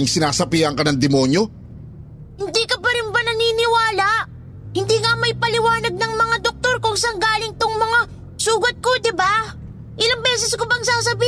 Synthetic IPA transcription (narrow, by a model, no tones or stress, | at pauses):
ŋsɪnaːsɐpiːhɐŋkɐnɐŋd̪ɛmoːnjo̞ | hɪnd̪ikɐpɐɾɪnbanɐniːnɪwaːlaʔ | hɪnd̪iŋɐmɐjpɐlɪwaːnɐɡ̚nɐŋmɐŋad̪ok̚t̪oɾkoŋsɐŋɡaːlɪŋt̪oŋmɐŋa | suːɡɐt̪̚ko̞d̪ɪba | ʔɪlaŋbɛːsɛskobɐŋsaːsɐbiː